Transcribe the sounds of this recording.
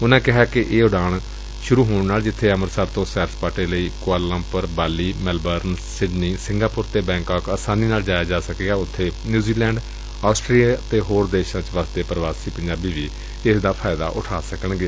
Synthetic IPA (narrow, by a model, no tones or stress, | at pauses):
ʊnãːkɪɦaːkɪʔeːʊɖaːɳ | ʃʊɾuːɦoːɽ̃naːld͡ʒɪt̪ʰːeːəməɾsaːɾt̪õːsɛːɾspaːʈeːləiːkʊaːɾlãːpəɾbaːliːmɛlbəɾnsɪɖniːsɪ̃ŋɡaːpʊɾt̪eːbɛ̃ːkaːkəːsaːniːnaːld͡ʒaːjaːd͡ʒaːsəkeːɡaːʊt̪ʰːeːnjuːziːlɛ̃ːɳɖ | aːsʈɾiːjaːt̪eːɦoːɾd̪eːʃãːt͡ʃʋaːst̪eːpɾəʋaːsiːpəɲd͡ʒaːbiːʋiː | ɪsd̪aːpʰaːɪd̪a̰ːʔʊ̰ʈʰaːsəkəɳɡeː